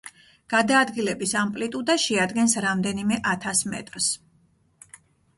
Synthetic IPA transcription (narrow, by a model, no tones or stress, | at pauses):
ɡ̥ad̪aːd̪ɡilɛbisampʼlit̪ʼud̪aʃɛad̪ɡɛnsɾamd̪ɛnimɛʔat̪ʰasmɛ̰t̪ʼɾs